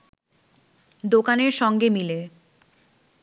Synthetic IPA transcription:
d̪okaneɾʃɔŋɡemile

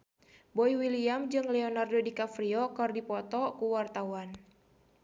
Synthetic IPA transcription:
bɔiwiliamd͡ʒɨŋlɛɔnardɔdikafɾiɔkɨrdipɔt̪ɔkuwart̪awan

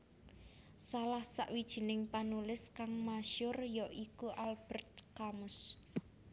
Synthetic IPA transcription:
salahsa̰ʔwid̥ʒ̥i̤nɪŋpanulɪskaŋmaʃʊrjɔʔikuʔalb̥ə̤rt̪̚kamʊs

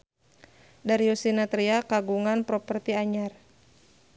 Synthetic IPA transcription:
daɾiusinat̪ɾiakaɡuŋanpɾɔpərt̪iaɲar

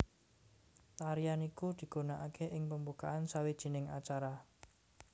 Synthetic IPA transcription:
t̪aɾijanikud̪̥i̤ɡ̥o̤naʔakʰeʔɪŋpəmbukaʔansawid̥ʒ̥i̤nɪŋat͡ʃaɾa

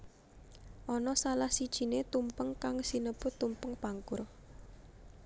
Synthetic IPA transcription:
ʔɔnɔsalahsid̥ʒ̥i̤net̪umpəŋkaŋsinəpʊt̪ːumpəŋpaŋkʊr

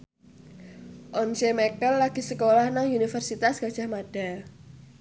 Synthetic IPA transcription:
ʔɔnsemɛkəlːaɡ̥i̤səkolahnaŋunifərsit̪asɡ̥a̤d̥ʒ̥a̤hmaɖ̥a̤

